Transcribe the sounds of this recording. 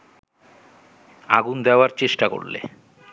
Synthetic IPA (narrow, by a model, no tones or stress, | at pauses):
a̰ɡund̪ɛoaɾt͡ɕeʃʈako̰ɽlḛ